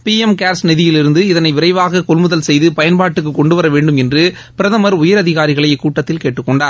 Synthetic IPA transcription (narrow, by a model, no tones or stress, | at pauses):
piːɛmkaːɾsnɪðɪjɪlɪɾɯnd̪ɯɪðɐnɐɪʋɪɾɐɪʋaːɣɐkɔɭmɯðɐlsɛjðɯpɐjɐnpaːʈːɯk̬ːɯkːɔɳɖɯʋɐɾɐʋeːɳɖɯmɛndrɯ | pɪɾɐðɐmɐɾʊjɐɾɐðɪɣaːɾɪɣɐɭɐjkːuːʈːɐt̪ːɪlkeːʈːɯkːɔɳɖaːɾ